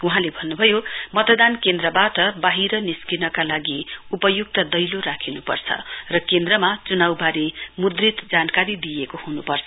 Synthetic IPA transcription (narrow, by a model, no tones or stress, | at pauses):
uɦãlebʱʌnːubʱʌjomʌt̪d̪ankend̪rʌbaʈʌbaɦiɾʌniskinʌkalaɡiupʌjuk̚t̪ʌd̪ʌjloɾakʰinupʌ̰rt͡sʰʌ̰rʌkend̪ɾʌmat͡sunawbaɾimud̪rit̪d͡zankaɾid̪ijekohunupʌrt͡sʰʌ